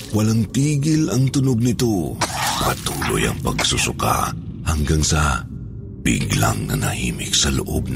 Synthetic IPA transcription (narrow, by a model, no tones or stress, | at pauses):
wɐlaŋt̪iːɡɪlɐŋt̪ʊnoɡ̚nɪt̪o̞pɐt̪uːlo̞̰jɐ̰ŋpɐɡsusʊka̰ | hɐŋɡaŋsɐ | b̥ɪ̰ɡlaŋnɐnɐhiːmɪksɐlʊʔo̰b̚n